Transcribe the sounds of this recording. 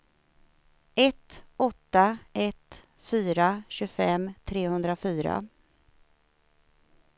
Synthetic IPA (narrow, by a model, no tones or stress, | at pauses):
ɛt̪ɔt̪ːaɛt̪ | fyːɾaɕɵfɛmt̪ʰɾeːhɵnd̪ɾafyːɾa̰